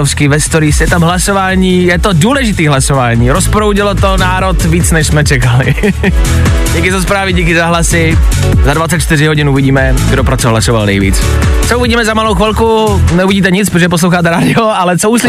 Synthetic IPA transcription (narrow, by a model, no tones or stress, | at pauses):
ofskɪvɛst̪oɾisjɛt̪amɦlasovaːɲiːjɛt̪oduːlɛʒɪt̪iːɦlasovaːɲiːɾospɾowɟɪlot̪onaːɾot̪viːt͡snɛʃsmɛt͡ʃɛkalɪ̰ | ɟiːkɪzaspɾaːvɪɟiːkɪzaɦlasɪ | zadvat͡sɛc̪̚t͡ʃt̪ɪɾɪɦoɟɪnuvɪɟiːmɛɡdopɾat͡soɦlasova̰lnɛ̰jvḭːt͡s | t͡souviɟiːmɛzamalowxʋilku | nɛuviɟiːt̪̬ɛɲɪt͡spɾot̪ʒɛpos̬lowxaːt̪ɛɾaːdɪoʔalɛt͡souːslɪ